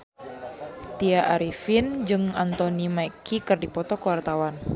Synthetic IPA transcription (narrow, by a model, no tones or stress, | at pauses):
t̪iaʔaɾifind͡ʒɨŋant̪ɔnimajkikɨrdipɔt̪ɔkəwart̪awan